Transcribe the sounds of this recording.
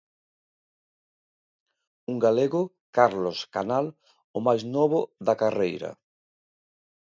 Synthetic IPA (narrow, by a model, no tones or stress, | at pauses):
uŋɡaleɣʊ | kaɾloska̰nal | ʊmajznɔβʊðakarejɾɐ̰